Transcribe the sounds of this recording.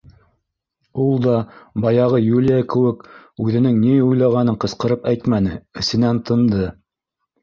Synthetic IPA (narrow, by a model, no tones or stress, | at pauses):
ulˠd̪ɑbɑjɑʁɤjulʲijakɘ̆wɘkʉðɘ̆nɘŋniujlˠɑʁɑnɤɴqɤ̆sqɤ̆ɾɤpæjt̪mænɘɘ̆sɘ̆nænt̪ʰɤ̆nd̪ɤ